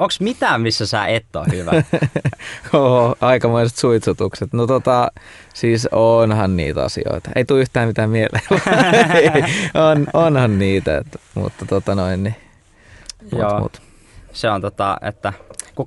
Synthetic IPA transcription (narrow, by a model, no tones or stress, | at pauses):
oŋksmit̪æːmmisːæsæ̰ːʔet̪ːo̰ːhyʋæ̰ | ohoɑikɑmoiset̪suit̪sut̪ukset̪not̪ot̪ɑ | siːsonhɑnnḭːt̪ɑ̰sḭo̰it̪ɑ̥ʔḛit̪uːyht̪æːmmit̪æːmmielʔḛːʋɑeononhɑnniːt̪æḛt̪ːmṵt̪ːɑt̪ot̪ɑnoinni | moːmṵt̪ | seont̪ot̪ɑ̰ḛt̪ːæku